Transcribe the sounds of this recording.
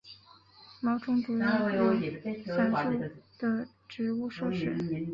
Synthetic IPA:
mɑ˧˥ʊʈ͡ʂʊ˥ŋt̪u˧˥a˥˧o˥˨˩a˥˩˥u˥˩˧d̪̥ə˨ | ʈ͡ʂɻ̩˧˥u˥˧ʂo˥ʂɻ̩˥˩˧

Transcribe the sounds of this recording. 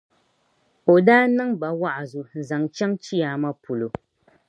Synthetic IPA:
o˨daː˦nɨ˦ŋba˨wa˦ʔa˨zo˨n̩˨za˨ŋt͡ʃɛ˦ŋt͡ʃi˦jaː˨ma˦pu˨lo˨

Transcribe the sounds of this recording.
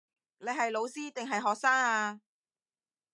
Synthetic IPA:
nle˨˧jɦɐ˨jlo˨˧wsiː˥t̪ɪ˨ŋɦɐ˨jɦɔː˨k̚saː˥ŋaː˧

